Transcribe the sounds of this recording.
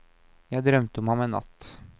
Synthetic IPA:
jɑɡd̪ɾœmt̪əɔmhamɛnːa̰t̪ː

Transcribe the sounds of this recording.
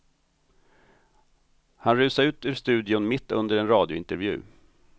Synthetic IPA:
hanɾʉ̟ːsaɾʉ̟ːt̪ʉːʂt̪ʉ̟ːd̪ɪʊnmɪt̪ːɵnd̪əɾɛnɾɑːd̪jʊɪnt̪əɾvjʉ̟̰ː

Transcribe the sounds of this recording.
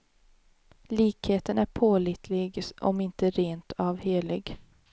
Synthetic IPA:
liːkheːt̪ənæɾpʰoːliːt̪ʰlɪɡʔɔ̰mɪnt̪əɾeːnt̪ʰɑːvheːlɪɡ

